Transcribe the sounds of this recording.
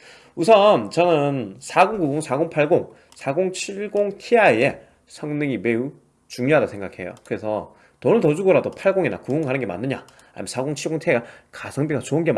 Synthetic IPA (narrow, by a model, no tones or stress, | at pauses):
usʰʌnt͡ɕʌnɯnsʰaɡoŋɡuɡoŋsʰaɡoŋpʰaɭɡoŋ | sʰaɡoŋt͡ɕʰiɭɡoŋtʰiaie | sʰʌŋnɯŋime̞u | t͡ɕuŋɲjoɦadasʰeŋɡakʰe̞̰jo̰kɯɾe̞sʰʌ | tʌnɯtʌd͡ʑuɡʌɾadopʰaɭɡoŋina̰kɯoŋɡanɯnɡe̞ma̰nːɯɲa̰ | a̰ɲimnsʰaɡoŋt͡ɕʰiɭɡoŋtʰiakasʰʌŋbiɡat͡ɕoɯnɡe̞m